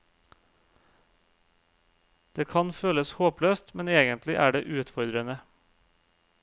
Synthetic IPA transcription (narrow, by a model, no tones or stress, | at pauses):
d̪̥eːkʰɑnføːləshoːpløːst̪mɛneːɡənt̪ʰlɪʔæːɖeːʔʉːt̪fɔɾd̪ɾənə